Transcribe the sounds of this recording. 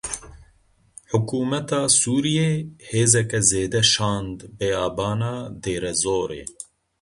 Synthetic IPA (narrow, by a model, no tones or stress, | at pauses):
ħʊkuːmɛt̪ɑːsuːɾijeːheːzɛkɛzeːd̪ɛʃɑːnd̪beaːbɑːnɑːd̪eːɾɛzoːɾḛː